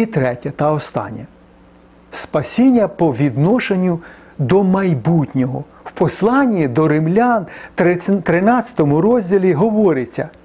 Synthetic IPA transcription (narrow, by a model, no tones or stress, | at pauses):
it̪ɾɛtʲɐt̪ɐɔst̪ɑ̰nʲːɐ | spɐsʲinʲːɐpɔʋʲid̪nɔʃenʲːʊ | d̪ɔmɐjbut̪ʲnʲɔɦɔ | wpɔslˠɑnʲːid̪ɔɾɪmlʲan | t̪ɾɪnɑt͡sʲɐ̥t̪ɔmʊɾɔzʲdʲilʲiɦɔʋɔɾɪt͡sʲːɐ̰